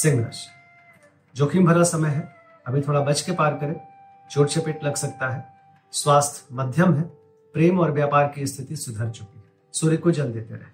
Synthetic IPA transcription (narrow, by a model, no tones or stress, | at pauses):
sɪ̃ŋɡɾə̰ʃ | d͡ʒoːkʰimbʱɐɾasɐməjɦɛ | ɐbʱit̪ʰoːɽabɐt͡ʃkepaːɾkɐɾẽ | t͡ʃoːʈt͡ʃʰepɪʈlɐɡsɐk̚t̪aɦɛ | swaːst̪ʰmɐd̪ʱjəmɦɛ | pɾeːmɔːɾʋjaːpaːɾkiɪst̪ʰɪt̪isʊd̪ʱəɾt͡ʃʊki | soːɾikod͡ʒɐld̪et̪eɾɛɦe